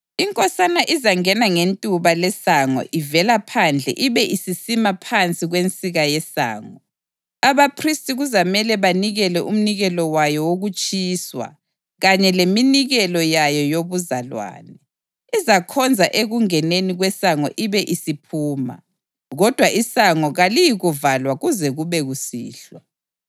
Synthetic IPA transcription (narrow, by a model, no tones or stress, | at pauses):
iŋkʼɔsanaʔizaŋɛnaŋentʼuβalɛsaŋɔ̰ʔivɛlapʰand͡ɮʱɛ̰ʔiβɛʔisisimapʰant͡sʼiɣwent͡sʼiɣajɛsa̰ːŋɔ | aβapʰristʼiɣuzamɛlɛβaniɣɛlɛʔum̩niɣɛlɔwajɔwoɣut͡ʃʼiːswa̰ | ɣaɲɛleminiɣɛlɔjajɔjoβuzalwa̰ːnɛ | izakʰɔnd͡zʱaʔeɣuŋɛneniɣwɛsaŋɔ̰ʔiβɛʔisipʰuːma̰ | ɣɔd̥ʱwaʔisaŋɔɣalijiɣuvalwaɣuzɛɣuβɛɣusḭːɬwa